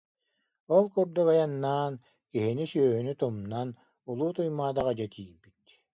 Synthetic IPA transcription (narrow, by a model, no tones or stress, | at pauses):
ɔlˠkuɾd̪uɡajanːaːn | kiɦinisœːɦynyt̪umnan | ulˠuːt̪ujmaːd̪aʁad͡ʑat̪ʰiːbit̪